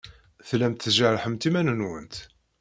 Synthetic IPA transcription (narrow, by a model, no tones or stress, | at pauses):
θlæmt̪θʒaɾħəmt̪imænənwənt̪